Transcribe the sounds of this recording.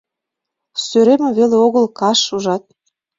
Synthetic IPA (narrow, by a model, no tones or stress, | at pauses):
søɾemeβeleoɣəlkɑʃuʒɑt̪̚